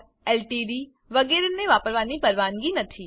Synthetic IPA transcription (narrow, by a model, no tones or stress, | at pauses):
eːlʈiːɖiː | ʋɐɡeːɾenẽʋaːpəɾʋaːnipɐɾʋaːnɡinɐt̪ʰiː